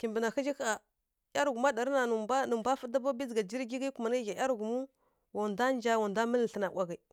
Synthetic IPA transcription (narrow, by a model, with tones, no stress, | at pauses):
ki˨mbə˨na˨xi˦d͡ʒi˦ka˨ | ja˦ɾɡu˨ma˦da˨ɾna˨nu˨˦nu˨mbʷa˦fə˦da˦ba˦bi˦zɡa˨d͡ʒi˦ɾɡi˦ɡi˦ku˨ma˨na˦ɣa˨ja˦ɾɡu˨mu˦ | wo˨nda˦n˦d͡ʒa˦wa˨nda˦mə˦lɬə˨na˨wʷa˨ɡa˨i˨